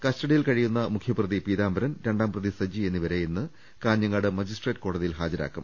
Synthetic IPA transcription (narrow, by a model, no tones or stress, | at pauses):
kɐstɐɽijilkɐɻijunːɐmukʰjɐprɐðipiːðaːmbɐɾɐnɾe̞ɳɖaːmprɐðisɐd͡ʑie̞nːiʋɐɾejenːɨ | kaːnjɐŋːɐɽɨmɐd͡ʑisʈreːʈko̞ːɽɐðijilɦaːd͡ʑɐɾa̰ːkːum